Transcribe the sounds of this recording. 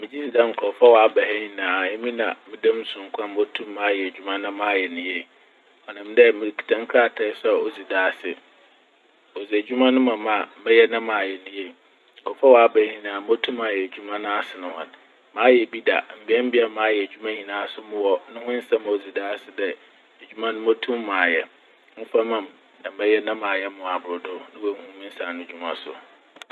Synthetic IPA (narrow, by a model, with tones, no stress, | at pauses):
mɪ̃˨d͡ʑi˦si˨dã˦ŋ̩˨kʰɔ˨fa˦wa˨a˦bɛ˨hɛ˦ɲi˨nãː˨jɛ̃˦mĩ˦nã˨mɪ̃˦dã˦m˦sʊ̃˨ŋ̩˨˦kʷʰã˦m˦ɔ˦tʰũ˦mːãː˨˦jɛ˨d͡ʑᶣu˦mã˦nʊ̃˦mãː˨˦˨jɛ˨nʊ̃˦jɛ˨ | ɔ˨nã˨m˦dɛ˦mɪ̃˨kʰi̥˨tʰã˦ŋ˦kʰɾa˦˨tʰɛ˨˦sɛ˦˨o˨d͡zi˨daː˦˨sɪ˨ | o˨zi˨ɛ˨d͡ʑᶣu˦mã˦nʊ̃˦mã˨mã˨mɛ̃˦jɛ˦nã˦mãː˨jɛ˨nʊ̃˦jɛ˦˨ | kɔ˨fa˦wɔ˨a˦bæ˨˦hĩ˨nãː˨m˦o˦tʰũ˦mã˨jɛ˨d͡ʑᶣu˦mã˦nʊ̃˦a˦sɪ˨nʊ̃˨hʊ̰̃˨n | mãː˨˦jɛ˨bi˦da̰˨m̩˨bɪ˦ɛ˦m̩˦bɪ˦a˨mãː˨˦jɛ˨d͡ʑᶣu˦mã˦hĩ˨nãː˨˦a˦sʊ˦mʊ̃˦˨wɔ˦nʊ̃˦hʊ̃˦n̩˦sã˦m˨o˨d͡zi˨daː˦sɪ˦dɛ˨ | e˨d͡ʑᶣu˦mã˦nʊ̃˦mo˦tʰũ˦mːã˨jɛ˨ | m̩˦fa˦mã˨m | nã˨mɛ̃˦jɛ˦nã˦mãː˨jɛ˦mʊ̃˨a˨bʊ˨ɾʊ˨dʊ˦nɪ̃˦wɛ˨˦hũ˦mĩ˦n̩˦sã˨nʊ̃˦d͡ʑᶣu˦mã̰˨sʊ̰˨